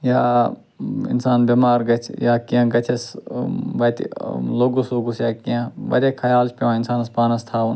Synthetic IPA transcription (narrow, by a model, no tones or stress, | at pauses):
jaː | ɪ̰nsaːnbʲɐmaːɾɡɐt͡ʃʰjaːkiãɡɐt͡ʃʰɐs | ʋɐt̪loːɡusloːɡusjaːkiãʋɐ̰d̪ʲekʰɐjaːlt͡ʃʰpʲeʋãːɪnsaːnɐspaːnɐst̪ʰaːn